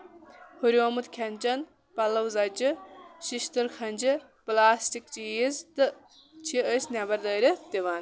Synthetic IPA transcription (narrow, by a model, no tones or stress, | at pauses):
huɾjomut̪kʰʲɐnʲt͡ʃɐn | pɐlːɐwzɐd͡ʒɨʃiʃt̪ɐɾkʰɐnʲd͡ʒɨ | plaːsʈikt͡ʃiizd̪ɨ | t͡ʃʰiəsnʲabɐɾd̪ɐːɾʲɐd̪iʋaːn